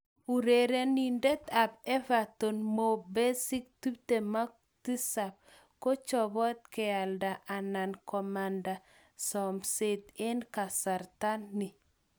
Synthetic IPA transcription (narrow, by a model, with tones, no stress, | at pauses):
u˨ɾe˨ɾe˦ni˨nde˦t̪a˨b̚ɛ˦va˨to˨nmo˨be˦si˦k̚tu˦pte˨ma˦k | ti˦sa˨b̚ | ko˦t͡ʃɔ˨bɔ˦t̪̚kɛ˨a˨lda˨ʔa˨na˨nkɔ˨ma˨nda˨ | sɔ˨mse˦t̪e˦nka˨sa˨ɾt̪a˦nːɪ˨